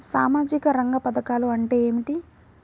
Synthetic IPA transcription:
sa̰ːmaːd͡ʒikɐɾɐŋɡɐpɐd̪ɐkaːluɐɳʈeːeːmiʈi

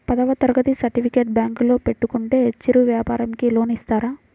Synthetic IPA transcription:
pɐd̪ɐʋɐt̪ɐɾɡɐt̪isɐɾʈipʰikeːʈ̚bjaːŋklo̞ːpe̞ʈːukuɳʈe̞ːt͡ʃːiɾuʋjaːpaːɾɐmkilo̞ːnist̪aːɾaː

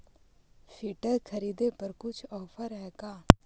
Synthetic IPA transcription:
fiːʈəɾkʰɐɾiːd̪epɐɾkʊt͡ʃʰɔːpʰəɾɦɛːkaː

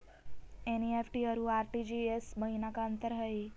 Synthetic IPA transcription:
eniefʈiəɾũaɾʈid͡ʒiesməɦinakaənt̪əɾɦəe

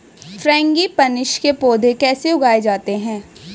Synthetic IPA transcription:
fɾɛ̃ːŋɡipɐnɪʃkepoːd̪ʱekɛːseʊɡaːed͡ʒaːt̪eɦɛ̃ː

